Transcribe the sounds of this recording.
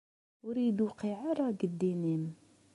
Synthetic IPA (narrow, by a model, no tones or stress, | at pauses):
wɾid̪uqiʕaɾˤɑɡəd̪ːinim